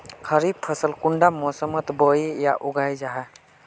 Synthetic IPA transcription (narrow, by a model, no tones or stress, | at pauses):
kʰəɾib̚pʰəsəlkuɳɖamɔsəmət̪bəija̰ʔuɡajd͡ʒaɦɛ